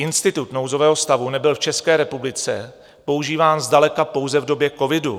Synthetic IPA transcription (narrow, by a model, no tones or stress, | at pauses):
ɪnst̪ɪt̪ut̪nowzo̞vɛːɦost̪avunɛbɪlft͡ʃɛskɛːɾɛpublɪt͡sɛ | po̞uʒiːvaːnzdalɛkapo̞wzɛvdo̞bjɛko̞vɪdu